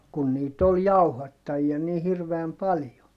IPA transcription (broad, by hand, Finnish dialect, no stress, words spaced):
kun niːt ol jɑuhɑtːɑjiɑ ni hirʋeæm pɑljo